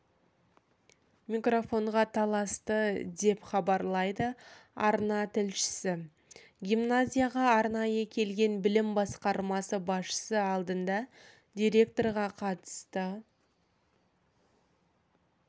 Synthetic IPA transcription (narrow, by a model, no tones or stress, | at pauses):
mikro̞fo̞ɴʁɑt̪ʰɑlˠɑst̪əd̪e̞pχɑbɑɾlˠɑjd̪əɑ̰ɾnɑt̪ʰɪlʃɪ̥sɪ | ɡʲimnazʲijaʁɑːɾnɑjəkʲʰe̞lɡʲe̞nbɪlɪmbɑsqɑɾmɑsəbɑsʃə̥səɑlˠd̪ənd̪ɑ | d̪ʲijɾʲe̞k̚t̪o̞rʁɑqʰɑt̪ə̥st̪ə